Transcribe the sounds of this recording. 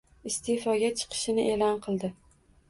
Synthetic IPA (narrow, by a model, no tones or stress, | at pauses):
ɪst̪ʰefɒɡʲat͡ʃʰɨ̥qʰɨ̥ʃɪnɪʔe̞lɒnqʰɨlˠd̪ɪ